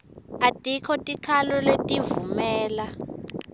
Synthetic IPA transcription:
atʼikʰɔtʼikʰalɔletʼivumɛːla

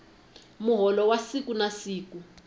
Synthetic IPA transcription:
muɦɔlɔwasikunasiːku

